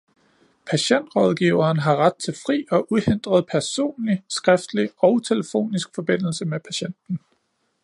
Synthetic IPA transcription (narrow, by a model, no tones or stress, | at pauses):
pʰæɕen̰d̥ʁɒ̽ð̞ˠɡ̥iːʊɐːnɦɑ̈ʁad̥̚t͡sʰe̝lfʁḭːɒ̽ʔuhe̝nd̥ʁɐð̞̩ˠpʰæɐso̝̰ːnlisɡ̥ʁɛfd̥liɒ̽ʊt͡sʰe̝ləfo̝̰ːnisɡ̥fɒ̽b̥e̝n̰l̩səmepʰæɕen̰d̥n̩